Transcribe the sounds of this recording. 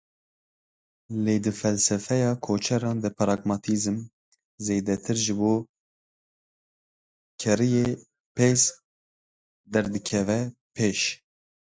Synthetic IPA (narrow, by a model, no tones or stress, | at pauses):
leːd̪ɨfɛlsɛfɛjɑːkʰoːt͡ʃʰɛɾɑːnd̪ɨpʰɾɑːɡmɑt̪ʰizɨm | zeːd̪ɛt̪ʰɨɾʒɨboː | kʰɛɾijeː | pes | d̪ɛɾd̪ɨkʰɛvɛpʰeːʃ